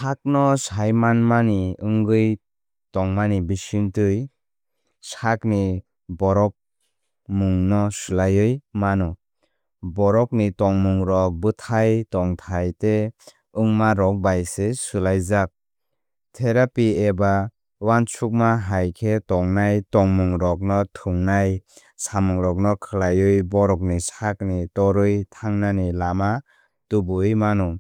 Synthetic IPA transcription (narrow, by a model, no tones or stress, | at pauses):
sʰak̚nɔsajmanmaniɯŋɡɯj | tɔŋmanibisintɯj | sakni | bɔɾɔk̚ | muŋnɔsulajɯjmanɔ | bɔɾɔk̚nitɔŋmuŋɾɔk̚bɯtʰajtɔŋtʰajte | ɯŋmaɾɔk̚bajsesulajzak̚ | tʰeɾapieba | want͡ʃʰuk̚maɦajkʰetɔŋnajtɔŋmuŋɾɔk̚nɔtʰuŋnaj | samɯŋɾɔk̚nɔkʰɯlajɯjbɔɾɔk̬̚nisak̚nitɔɾɯjtʰaŋnanilama | tubɯjmanɔ